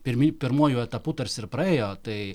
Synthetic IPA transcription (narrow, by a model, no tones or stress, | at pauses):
pʲɪɾʲmʲipʲɪɾmuɔjuːɛt̪ɐput̪ɐɾʲsʲɪɾpɾɐɛːjoːt̪ɐɪ